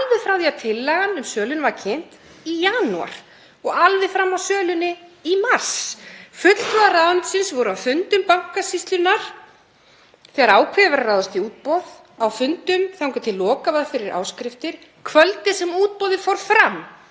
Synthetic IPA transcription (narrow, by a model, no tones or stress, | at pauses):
alvɪfɾawðiawt̪ʰɪlːɛɣanʏmsœːlʏnvaɾcʰen̥t̪ | ijaːnua̰ɾ̥ | ɔɣalvɪfɾamːawsœːlʏnɪimar̥sfʏt̪l̥t̪vaðarawðant̪sɪnsvɔwɾʏawfʏnt̪ʏmpaŋ̥kasist̪lʏnːaɾ̥ | θɛːɣaɾaːwkʰɛvaɾaraːwðast̪iuːt̪̚pɔð | awfʏnt̪ʏmθawŋkʏt̪ʰɪlːɔːkavaðfɪɾɪɾʔa̰ːwskɾɪft̪ɪɾ̥ | kʰvœlt̪ɪsɛmuːt̪̚pɔðɪfɔwɾfɾamː